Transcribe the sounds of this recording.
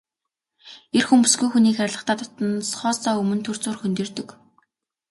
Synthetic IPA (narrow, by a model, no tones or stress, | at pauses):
erxumpu̥sɡujxuniːkxaɾ̆ʲɮə̆χt̪aːt̪ʊ̥t̪ə̆nsχɔːst͡saːɵmɵ̆nt̪ʰɵr̥t͡sʊːrxɵnt̪ĕːrt̪ɵ̆k